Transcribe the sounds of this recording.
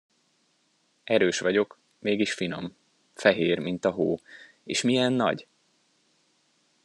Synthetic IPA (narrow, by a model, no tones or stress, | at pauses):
ɛɾøːʃʋɒɟo̞k | meːɡiʃfino̞m | fɛɦeːrmint̪ɒɦoː | ḛːʃmijɛnːɒ̰ɟ